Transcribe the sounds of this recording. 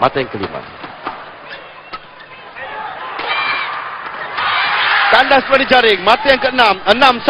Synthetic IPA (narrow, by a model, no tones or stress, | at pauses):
ma̰t̪ajaŋkəlḭma̰ | t̪andasəpadid͡ʒaɾɪŋmat̪ajaŋkəənãmənãms